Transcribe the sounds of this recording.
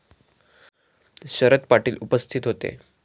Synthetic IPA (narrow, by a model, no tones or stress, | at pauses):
ɕəɾət̪paʈiːlupəst̪ʰit̪ɦot̪ḛ